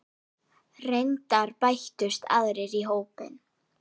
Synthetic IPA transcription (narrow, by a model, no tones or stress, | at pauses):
rejnt̪aɾpajht̪ʏst̪ʰa̰ðɾɪɾiɦoːwpɪ̰n